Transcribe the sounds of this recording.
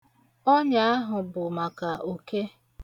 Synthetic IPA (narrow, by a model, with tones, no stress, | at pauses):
ɔ˦ɲa˨a˦ɦʊ˨bʊ˨ma˨ka˨o˨ke˦